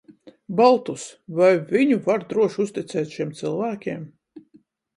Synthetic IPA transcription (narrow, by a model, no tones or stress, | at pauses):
balˠt̪usvajvʲiɲuvaɾd̪ɾuɔʃust̪it̪sɛːt̪ʃiɛmt̪silˠvæːkʲiɛm